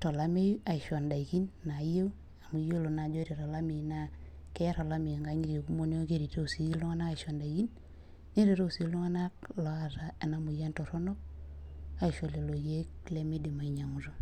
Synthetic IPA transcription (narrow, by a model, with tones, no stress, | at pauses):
tɔ˨la˦me˦ja˨i˨ʃɔ˨nda˨i˨ki˦nːa˨je˦ | a˨mu˨jo˦lo˨na˨d͡ʒo˦ɾe˨ɾa˨la˦mi˨na˦ | ke˦ja˦ɾa˨la˦mi˨ŋɡa˨˦ɲi˦ɾi˨ku˦mo˦ne˦o˦ke˦ɾi˨to˦u˨si˨˦lu˦ŋa˦na˦ka˨ʃo˨nda˨ki˦n | ne˦ɾe˨ɾo˦u˨si˨˦lu˦ŋa˦na˦klɔ˦a˨ɾa˨e˨na˨mu˨ja˦nto˨ɾo˦no˦ | a˦˨ʃo˨le˨lo˨je˦kle˦mi˦di˨ma˨i˨ɲa˨ŋu˨ɾo˦